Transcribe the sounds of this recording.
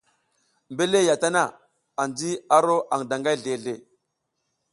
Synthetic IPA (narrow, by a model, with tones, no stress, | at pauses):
mbe˦le˦ja˨ta˦na˦˨ | a˨nd͡zi˦a˦ɾo˦ʔa˨ŋda˨ŋɡa˦ɮe˨ɮe˨